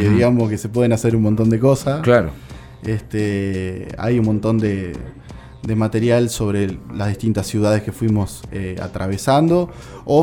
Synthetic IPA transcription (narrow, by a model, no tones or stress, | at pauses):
eðiɣamoske̞sepwe̞ð̞enase̞ɾunmont̪o̞nd̪e̞ko̞sasklaɾo | est̪e | a̰junmõnt̪o̞nd̪e | d̪e̞mat̪e̞ɾjalso̞βɾe̞lazðiht̪int̪asjuð̞að̞e̞ske̞fwimo̞sea̰t̪ɾʔaβ̞e̞sand̪o̞ | o